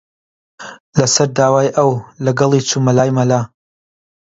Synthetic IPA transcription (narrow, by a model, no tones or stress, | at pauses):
lɐsɐɾd̪aːwaːjʔɐwlɐɡɐlˠiːt͡sʰumɐlaːjmɐlaː